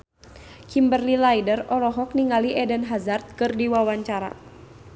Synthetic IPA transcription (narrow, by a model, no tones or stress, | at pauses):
kimbərlilajdərɔɾɔɦɔk̚niŋaliʔɛdənɦazart̪̚kɨrdiwawaɲt͡ʃaɾa̰